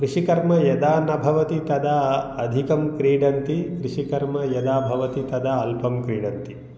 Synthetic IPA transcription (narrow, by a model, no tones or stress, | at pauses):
kɾiʂikɐɾmɐjɐd̪aːnɐbʱɐʋɐt̪it̪ɐd̪aɐd̪ʱikɐmkɾiːɖɐnt̪ikɾiʂikɐɾmɐjɐd̪aːbʱɐʋɐt̪it̪ɐd̪ɐɐlpɐmkɾiːɖɐnt̪i